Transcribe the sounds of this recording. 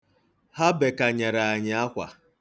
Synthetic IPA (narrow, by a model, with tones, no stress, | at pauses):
ha˦be˨ka˨ɲa˨ɾa˨a˨ɲɪ˨a˦kʷa̰˨